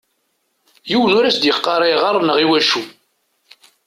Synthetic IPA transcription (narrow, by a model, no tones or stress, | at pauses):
jiwnʊɾæsd̪jəqːɑɾˤeʁɑrˤnəʁiwæʃu